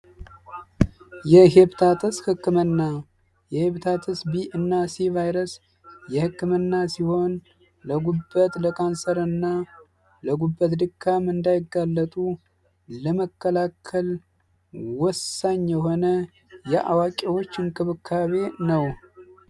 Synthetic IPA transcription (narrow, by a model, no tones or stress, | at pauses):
jɛɦeβt̪ʰat̪ʰɨshɨkːɨmɨnːa | jɛheβt̪ʰat̪ʰəsbiʔɨnːasivajɾəs | jɛhɨkːɨmɨnːasiho̞n | ləɡubːət̪ʼləkʼansəɾɨnːa | ləɡubːət̪d̪ɨkʰːamɨnd̪ajɪɡːalːət̪ʼu | ləməkʰːəlakʰːəl | wɔsːaɲːjɛɦo̞nə | jɛʔa̰wakʼewot͡ʃːɨnkʼɨβɨkʰːaβe̞nəw